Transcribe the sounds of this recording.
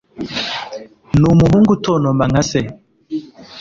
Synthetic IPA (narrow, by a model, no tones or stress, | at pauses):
numuɦuŋɡutʰonomaŋase